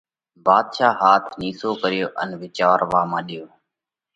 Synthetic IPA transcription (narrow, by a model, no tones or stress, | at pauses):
baːd̪ʃaːɦaːt̪ʰniːsoːkəɾɪjoːʔə̰nʋɪt͡ʃaːɾʋaːmãːɗɪjoː